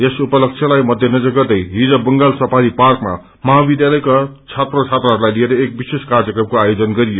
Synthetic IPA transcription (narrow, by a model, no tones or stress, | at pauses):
esupʌlʌk̚t͡sʰjʌlajmʌd̪ʱjʌnʌd͡zʌɡʌrd̪ʌjɦid͡zʌbʌŋɡalsʌpaɾiparkma̰ | mʌɦabid̪jalʌjkat͡sʰat̪rot͡sʰat̪raɦʌɾulajlieɾʌek̚biseskard͡zʌkrʌm̚koajod͡zʌnɡʌɾijo